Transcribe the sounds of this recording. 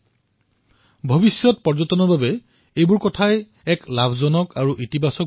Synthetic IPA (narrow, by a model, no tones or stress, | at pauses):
bʱobisjɔt̚pɔɹzɔtɔnɔɹbabɛ | ejbuɹkɔtʰaj | ɛklabʱzɔnɔkaɹuʔitibʱasɔk